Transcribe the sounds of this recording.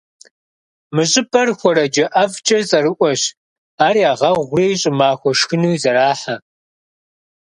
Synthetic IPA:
mɨɕʼɪbʰʼɐrxʷɔɾɐd͡ʒɐʔɐft͡ʃʼɐzʼɐrɨʔʷɔɕ | aːriaːʁɐʁʷʊreːjɕʼɪmaːxʷɔʃxɨnuːzɐɾaːħa

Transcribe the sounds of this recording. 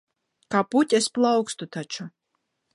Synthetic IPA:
kaːput̪ʲesplˠawkst̪ut̪at͡ʃu

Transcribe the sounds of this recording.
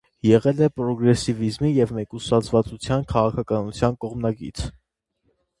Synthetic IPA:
jɛʁɛlɛpɾɔɡɾɛsivizmijɛvmɛkusɑt͡sʰvɑt͡sut͡sʰjɑnkʰɑʁɑkʰɑkɑnut͡sʰjɑnkɔʁmnɑkḭt͡sʰ

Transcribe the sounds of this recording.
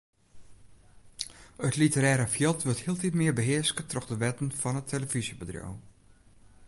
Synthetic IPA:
ətlitəɾɛːɾəfjɪlˠtʋøthiəlˠtitmɪːbəɦɪəɹskətrɔxdəʋɛtənfɔnətʰeləvisjəbədro̰w

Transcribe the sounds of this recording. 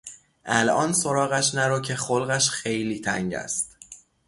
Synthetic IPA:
ʔælʔɒːnso̞ɾɒːɣæʃnæɾɒːcʰe̞xolɣæʃxe̞jliːt̪ʰæ̰ŋɟæ̰st̪̚

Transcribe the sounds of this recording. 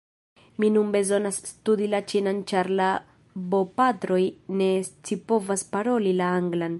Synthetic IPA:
minunbe̞zo̞nasːtudilat͡ʃinant͡ʃaɾla | bo̞patɾo̞jne̞st͡sipo̞vaspaɾo̞lilaaŋɡlan

